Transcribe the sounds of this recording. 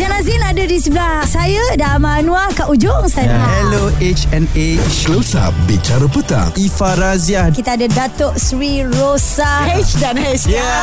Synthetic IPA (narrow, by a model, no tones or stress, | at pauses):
d͡ʒanazinadadisəblahsajadamanũakaʔud͡ʒʊŋsajahɛloʔet͡ʃɛ̃net͡ʃosa̰bit͡ʃaɾəpət̪a̰ŋifaɾaziakit̪aːdadat̪ɔʔsɾirosahɛt͡ʃdanhɛt͡ʃa